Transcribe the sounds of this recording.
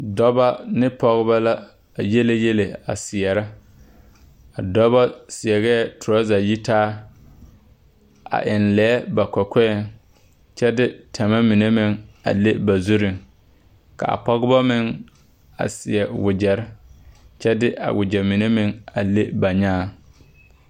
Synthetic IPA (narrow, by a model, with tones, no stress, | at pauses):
dɔ˦ba˦nɪ˦pɔ˦ɣɪ˦ba˦la˦ | a˨je˦le˦je˦le˨a̰˨sɪ˨ɛ˨ɾɪ˦ | a̰˨dɔ˦ba˦sɪ˨ɛ˨ɣɛ˦˨tʰʊ˨ɾɔ˦za˨ji˦taː˦ | a̰˨ʔɪ˨nlɛː˨˦ba˨kɔ˨kʷɛ˦ɛ˦˨ŋ | t͡ʃɛ˦dɪ˦tʰa˨ma˦mi˨ne˦mɪ˦ŋa̰˨le˦ba˨zu˦ɾɪ˨ŋ | ka̰˨a̰˨pɔ˦ɣɪ˦ba˦mɪ˦ŋ | a̰˨sɪ̰˨ɛ˨wʊ˨d͡ʒɛ˨ɾɪ˦t͡ʃɛ˦dɪ˦ʔa̰˨wʊ˨d͡ʒɛ˨mi˨ne˦mɪ˦ŋa̰˨le˦ba˨ɲaː˦˨